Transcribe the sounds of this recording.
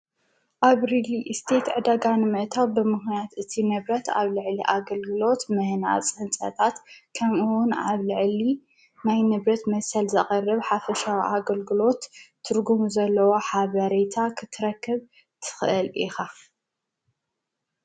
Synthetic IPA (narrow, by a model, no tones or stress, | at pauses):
ʔaβɾiliʔɨst̪ʰet̪ʕɨd̪aɡanɨmɨʔt̪ʰawbɨmɨxnijat̪ʔɨt̪ʰinɨβɾɐt̪a̰βlɨʕliʔaɡɐlɡɨlo̞t̪mɨhna̰t͡sʼɨħɨnt͡sʼɐ̰t̪ʰʼat̪kʰɐmɨwʊnaβlɨʕli | najnɨβɾɐt̪mɐsɐlzɐχʼɐrːɐβħafɐʃawiʔaɡɐlɡɨlo̞t̪ʰː | ɨɾɡumuzɐlːɐwoħaβɐɾet̪ʰakʰɨt̪ʰːɨɾɐkʰːɨβ | t̪ʰɨ̥xʔɨlʔḭxa